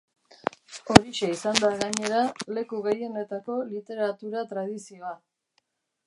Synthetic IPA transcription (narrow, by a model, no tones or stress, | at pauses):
o̞ɾiʃeisand̪aɣaɲe̞ɾale̞kuɣe̞je̞ne̞t̪ako̞lit̪e̞ɾat̪uɾat̪ɾað̞isio̞a